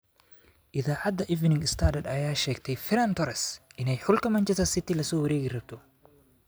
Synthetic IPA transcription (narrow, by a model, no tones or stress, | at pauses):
ʔɪðaːʕad̪ɐʔɪvnɪŋɪst̪ʰad̪ɐd̪ɐjaːʃɛːɡt̪ʰɛjfɪɾɐnt̪ɔɾɛsʔɪnɛjħʊlkɐmɐnt͡ʃɛsɐsɪt̪ɪlɐsɔːwɐɾeːɣɪrɐb̚t̪ʰɔ